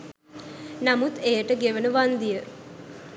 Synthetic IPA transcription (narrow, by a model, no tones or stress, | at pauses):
namut̪ejəʈəɡeʋənəʋand̪ijə